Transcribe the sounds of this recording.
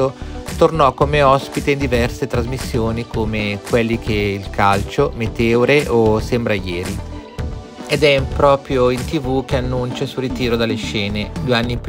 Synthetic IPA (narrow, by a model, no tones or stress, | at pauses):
ot̪ornɔkːomeɔspit̪eind̪ivɛrset̪ɾazmisːjoːnikʰomekwelːik̟eilkʰalt͡ʃomet̪eoɾeʔosɛmbɾajɛːɾi | ed̪ɛmpɾɔːpɾjoint̪ivuk̟eanːunt͡ʃesurit̪iːɾod̪alːeʃɛːned̪ueanːip